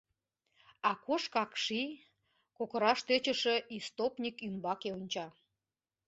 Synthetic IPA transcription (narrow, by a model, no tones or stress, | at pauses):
ɑkoʃkɑkʃi | kokəɾɑʃt̪øt͡ɕə̆ʃĕʔist̪opnʲikymbɑkeonʲt͡ɕɑ